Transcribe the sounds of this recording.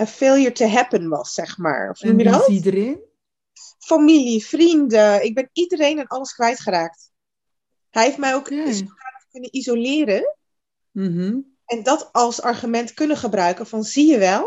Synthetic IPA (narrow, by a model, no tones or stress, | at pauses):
əfɪːlˠhiəɹtəɦɛpənʋɑsːɛχma̰ːɹɔfnumjədɔtdəen | familifrindəɪɡ̚bɛnidəɾejnanʔɑləskʋɛjtχəɾaːk̚t | hɛjɦeftmɛjowksəχrafkɵnənizolɪːɾən | m̩ | ɛndɑtɑlˠsɑɹχymɛntkɵnəχəbrœɥkənfɑnzijəʋɛlˠ